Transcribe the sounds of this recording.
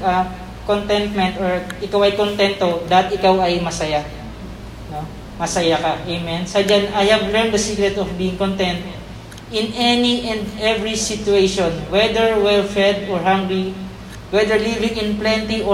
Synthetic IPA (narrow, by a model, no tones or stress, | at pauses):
ɐ | kont̪ɛnt̪̚mɛnt̪oɹʔɪkawɐjkont̪ɛnt̪ːod̪aɐt̪ʔɪkawɐjmɐsɐja | no | mɐsɐjakaʔejmɛnsɐd͡ʒanajhɐb̚lɛɹnd̪ɐsiɡɾɛt̪ɔfbiːɪŋkont̪ɛnt̪̚ | ʔɪnʔɛniʔɛnd̪ʔɛvɹisɪt̪ʊejʃonwɛd̪ɛɹwɛlfɛd̪ɔɹhãŋɡɹi | wɛd̪ɛɹlivɪ̃ŋɪnplɛnt̪iʔo